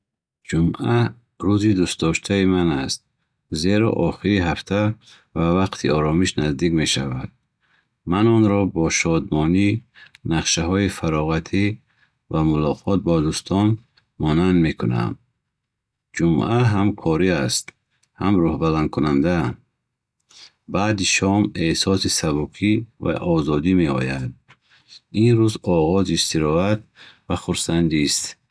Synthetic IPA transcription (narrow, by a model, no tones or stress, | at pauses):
d͡ʒumʔa | ɾuzid̪ust̪d̪ɔʃt̪ʰaimanast̪̚ | ze̞ɾɔ̰ʔɔχiɾiɦaft̪ʰa | vavaqt̪ʰiɔɾɔmiʃnazd̪ikme̞ʃavad̪̥̚ | manɔnɾɔbɔʃɔd̪mɔninaqʃaɦɔifaɾɔʁat̪ʰi | vamulɔqʰɔt̪̚bɔd̪ust̪ʰɔn | mɔnand̪me̞kʰuna̰m | d͡ʒumʔaɦamkʰɔɾiast̪ | hamɾɔhbalankʰunand̪an | baːd̪iʃɔmehsɔsisabukʰiva̰ʔɔzɔd̪ime̞ɔ̰jad̪̚ | inɾuzɔʁɔzist̪iɾɔat̪̚vaχuɾsand̪ist̪